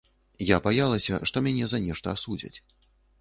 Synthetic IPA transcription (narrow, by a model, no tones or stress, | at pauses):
jabajalˠɐsʲɐʂt̪ɔmʲanʲɛzɐnʲɛʂt̪ɐːsud͡zʲɐ̰t͡sʲ